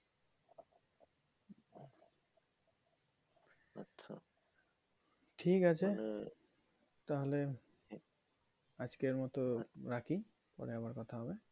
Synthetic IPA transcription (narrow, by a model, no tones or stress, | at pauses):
ʃʰa | ʈʰikat͡ɕʰe | t̪aɦole | ad͡ʑkeɹmɔt̪oɾakʰi | pɔ̰ɾeabaɾkɔt̪ʰaɦɔbe